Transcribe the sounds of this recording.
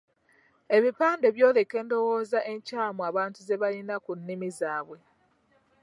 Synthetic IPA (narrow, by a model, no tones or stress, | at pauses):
e̞βipaːnde̞βjo̞ːle̞kːe̞ːndo̞wo̞ːzaʔe̞ɲcaːmuaβaːntuze̞βalinakunːimizaːβwe̞